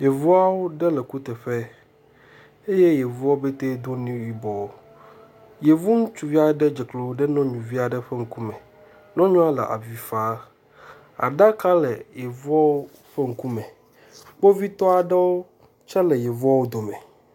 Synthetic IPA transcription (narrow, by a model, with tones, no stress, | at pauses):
je˨vu˦a˦wo˦ɖɛ˦lɛ˨ku˦t̪ɛ˨ɸɛ˦ | e˦je˦je˨vu˦a˦be˦t̪e˦d̪o˦nĩ˦wi˨bɔ˨wo˨ | je˨vu˦ŋũ˦t͡ʃu˨vi˦a˦˨˦ɖɛ˦d͡ʒɛ˨klo˨˦ɖɛ˦nɔ̃˦ɲũ˨vi˦a˨ɖɛ˦ɸe˦ŋ̩˦ku˦mɛ̃˨ | nɔ̃˦ɲɔ̃˦a˦lɛ̰˨ʔa̰˨vi˨fa˦ | a̰˨ɖa˦ka˦lɛ˨jɛ˨vu˦a˦wo˦ | ɸe˦ŋ̩˦ku˦mɛ̃˨ | k͡po˦vi˦t̪ɔ˦a˨ɖɛ˦wo˦ | t͡ʃɛ˦lɛ˨jɛ˨vu˦a˦wo˦d̪o˨mɛ̃˨